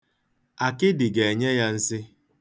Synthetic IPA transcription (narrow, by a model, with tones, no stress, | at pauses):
a˨kɪ˦dɪ˨ɡe˨e˨ɲe˦ja˦n̩˦sɪ˦